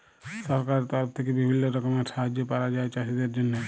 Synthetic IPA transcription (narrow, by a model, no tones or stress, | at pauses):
sɔɾkaɾt̪aɾpʰt̪ʰekebɪbʱinːoɾəkəmesaɦd͡ʒepaɾad͡ʒaːet͡ʃasid̪eɾd͡ʒənːə